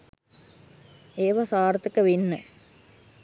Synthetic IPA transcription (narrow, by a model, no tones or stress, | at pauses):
eːʋasaːɾt̪əkəʋinːə